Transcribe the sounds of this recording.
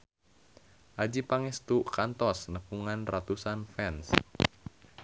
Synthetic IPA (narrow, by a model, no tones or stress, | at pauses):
ʔad͡ʒipaŋest̪uʔkant̪ɔsnəkuŋanrat̪usanfɛns